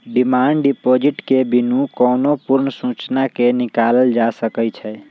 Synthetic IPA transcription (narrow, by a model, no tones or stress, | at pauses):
ɖimaɳɖɖipod͡ʒiʈkebinũkɔnopuɾnsũt͡ʃnakenikaləld͡ʒasəkɛt͡ʃʰɛ